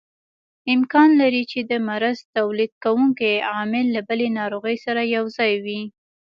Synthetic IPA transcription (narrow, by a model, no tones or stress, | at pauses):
ɪmkɑnlaɾit͡ʃed̪əmaɾazt̪awlid̪̚kawuŋkeɑmɪlːabəlenɑɾoɣəjsaɾajawzɑjwi